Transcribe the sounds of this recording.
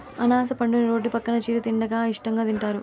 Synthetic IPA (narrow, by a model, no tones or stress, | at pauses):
ɐnaːs̬ɐpɐɳɖuniɾo̞ːɖːipɐkːɐnɐt͡ʃiːɾut̪iɳɖɐɡaːiʂʈɐŋɡaːd̪iɳʈaːɾu